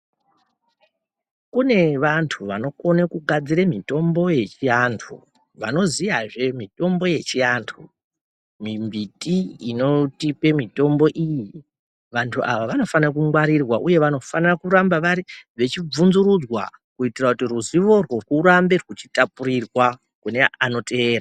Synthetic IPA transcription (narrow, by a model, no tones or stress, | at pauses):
kune̞ʋantʰuʋano̞ko̞nekuɡʱad͡ziɾemito̞mbo̞je̞t͡ʃiantʰṵ | ʋa̰no̞zijaʐe̞mito̞mbo̞je̞t͡ʃiantʰu | mimbitiino̞tipe̞mito̞mbo̞ʔiji | ʋantʰuʔaʋaʋano̞fanak̬uŋwaɾirwaʔuje̞ʋano̞fanrakuɾambaʋaɾiʋe̞t͡ʃib͡vunzuɾud͡zwa̰kuitirakutiruziʋo̞rworwuɾambe̞rwut͡ʃi̥tapuɾirwa | kune̞ano̞te̞ːra